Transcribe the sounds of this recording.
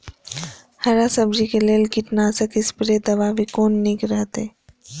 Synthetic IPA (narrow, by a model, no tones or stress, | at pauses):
hɐɾasəbd͡ʒikeleːlɡɪʈnasəkɪspɾed̪ɐʋaːʋikoːnːikɾəɦt̪eː